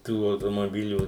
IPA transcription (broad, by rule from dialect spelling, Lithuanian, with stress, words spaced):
ˈtuː ɐʊtoːmoːˈbʲɪlʲuː